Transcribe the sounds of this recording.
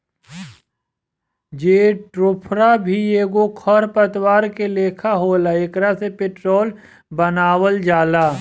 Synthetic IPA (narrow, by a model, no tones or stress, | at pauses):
d͡ʒeːʈɾʊpʰɾabʱieːɡokʰɔɾpət̪waːɾkeleːkʰaɦoːlaekɾasepɪʈɾoːl | bənaːwəld͡ʒaːlaː